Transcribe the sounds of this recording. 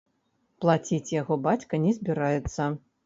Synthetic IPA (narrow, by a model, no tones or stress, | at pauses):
plˠat͡sʲit͡sʲjaɣɔbat͡sʲkɐnʲɛzʲbʲiɾajɛt̪sːɐ